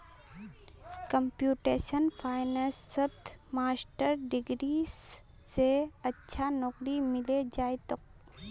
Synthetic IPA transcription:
kəmpjuːʈeːʃənpʰaːɪnesːət̪maːsʈəɾɖɪɡɾis | seɐtːʃʰanɔkɾimɪled͡ʒaːet̪ok̚

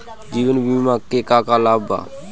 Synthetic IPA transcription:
d͡ʒiːʋənbimaːkekaːkalaːba̰ː

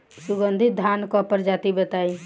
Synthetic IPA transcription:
suɡənd̪ʱit̪̚d̪ʱankɔpəɾd͡ʒat̪ibət̪ai

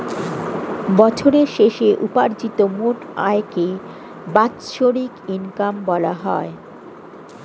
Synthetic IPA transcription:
bɔt͡ɕʰoɾeɾʃeʃeʔupaɾd͡ʑit̪omoʈa̰eke | bat̪ːʃoɾikinkambɔla̰ɦɔe

